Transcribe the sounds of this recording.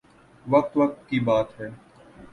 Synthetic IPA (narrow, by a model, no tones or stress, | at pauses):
ʋək̚t̪ʋək̚t̪kiːbaːt̪ɦɛː